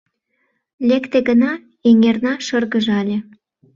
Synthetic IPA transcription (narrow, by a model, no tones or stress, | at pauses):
lʲekt̪eɣənɑ | eŋernɑʃərɣəʒɑlʲe